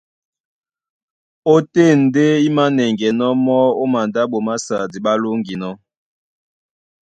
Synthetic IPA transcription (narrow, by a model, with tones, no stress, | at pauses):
o˦te˦˨n̩˨de˦i˦ma˦nɛ˨ŋɡɛ˨nɔ˦mɔ˦o˦ma˨nda˦ɓo˨ma˦sa˨di˨ɓa˦lo˦ŋɡi˨nɔ˦